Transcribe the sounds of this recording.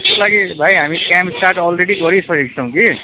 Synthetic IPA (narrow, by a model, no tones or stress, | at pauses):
ɔlaɡibʱajɦamikɛ̃mpsʈaɾʈɔlɾeɖikɔɾisʌɾiksãw̃ki